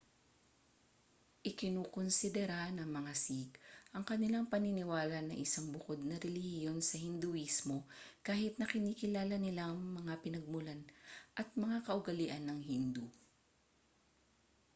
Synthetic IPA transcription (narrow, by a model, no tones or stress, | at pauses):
ʔɪkɪnoːkonsɪd̪ɛɾanɐŋmɐŋasikʔɐŋkɐnɪlaŋpɐnɪnɪwaːlɐnɐŋʔɪsaŋbʊko̞d̪̚nɐɾɛlɪhhɪjo̞nsɐhɪnd̪ʊʔismo̞kaːhɪt̪̚nɐkɪniːkɪlaːlɐnɪlaŋmɐŋapɪnɐɡ̚mʊlanʔɐt̪̚mɐŋakɐʔʊɡɐlɪʔɐnːɐŋhind̪u